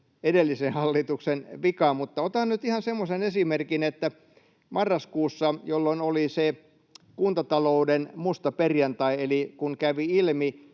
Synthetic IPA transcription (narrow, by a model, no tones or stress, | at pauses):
edelːisenhɑlːit̪uksenʋikɑmmut̪ːɑot̪ɑnnyt̪ihɑnsemːosenesimerkinet̪ːæ | mɑrːɑskuːsːɑjolːonolise | kunt̪ɑt̪ɑloudenmust̪ɑperjɑnt̪ɑielikuŋkæʋiilmi